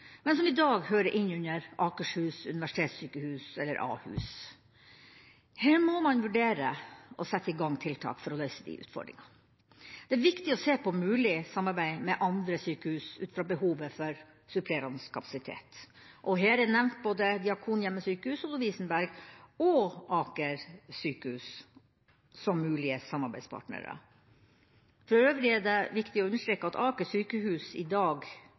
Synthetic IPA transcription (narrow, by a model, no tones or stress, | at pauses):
mɛnsɔmɪd̪ɑːɡhøːɾəʔɪnːʉɲəɾʔɑːkəʂhʉːsʉnɪʋæʂɪ̥t̪ʰeːt̪syːkəhʉːsɛlːəɾʔɑ̰ːhʉ̰ːs | heːɾmɔmɑnʋʉɖeːɾəʔɔsɛt̪ːəɪɡɑŋːt̪ʰɪlt̪ʰɑ̰ːkfɔɾɔlœʏsəd̪ɪ̰ʔʉ̰ːt̪fɔ̰ɖɾɪ̰ŋɑ | d̪̥ɛæɾʋɪkt̪ɪɔseːpʰɔmʉːlɪsɑmːɑɾbæɪmɛʔɑnd̪ɾəsyːkəhʉːsʉːt̪fɾɑbəhuːʋəfɔɾ | sʉpʰɾɛːɾɑnskʰɑpʰɑ̥sɪt̪ʰḛːt̪ | ʔɔɦeːɾænɛʋnt̪̚boːd̪əd̪ɪɑkʰuːnjɛmːəsyːkəhʉːsɔlʊʋiːsənbæɾɡɔʔɑːkəɾsyːkəhʉːs | sɔmːʉːlɪəsɑmːɑɾbæɪspʰɑ̰ːʈnə̰ɾə̰ | fɾɔɾøːʋlɪæɖɛʋɪkt̪ɪɔʉnːəʂʈ̪ɾeːkːəɑt̪ɑːkəsyːkəɦʉːsɪd̪ɑːɡ